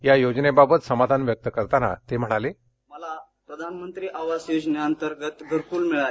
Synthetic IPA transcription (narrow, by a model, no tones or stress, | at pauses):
jajod͡ʑnebabət̪səmad̪ʱanʋjək̚t̪əkəɾt̪ana̰t̪em̤əɽ̃ale | məla | pɾəd̪ʱanmənt̪ɾiːʔaʋasjod͡ʑnjaənt̪əɾɡət̪ɡʱəɾpuːlmiɭa